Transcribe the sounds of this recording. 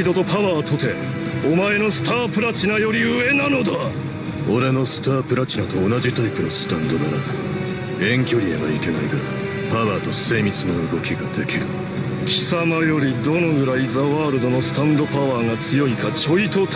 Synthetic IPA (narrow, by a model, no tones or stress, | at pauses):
d̪o̞t̪o̞paβaːt̪ʰo̞t̪e̞ | omae̞no̞sɨ̥t̪aːpɯ̟ɾat͡ɕinajo̞ɾʲiɯ̟e̞nano̞d̪a | o̞ɾe̞no̞sɨ̥t̪aːpɯ̟ɾat͡ɕinat̪o̞ːnaʑit̪aipɯ̟nosɨ̥t̪ãnd̪o̞d̪aɾaɡa | ẽ̞ŋkʲo̞ɾʲieβa̰ike̞naiɡaɾk | paβaːt̪o̞se̞ːmʲit͡sɨnoɯ̟ɡo̞kʲiɡad̪e̞kʲiɾɯ̟ | kʲʰi̥samajo̞ɾʲid̪o̞no̞ɡɯ̟ɾaizaβaːɾɯ̟d̪o̞no̞sɨ̥t̪ãnd̪o̞paβaːŋat͡sɨjo̞ikat͡ɕo̞it̪o̞t̪